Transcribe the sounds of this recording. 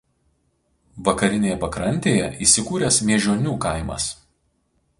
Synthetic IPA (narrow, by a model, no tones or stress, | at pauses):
ʋɐkɐɾʲɪnʲeːjɛpɐkɾɐnʲt̪ʲeːjɛ̰ʔiːsʲɪkuːɾʲɛsmʲiɛʒʲoːnʲuːkɐɪmɐ̰s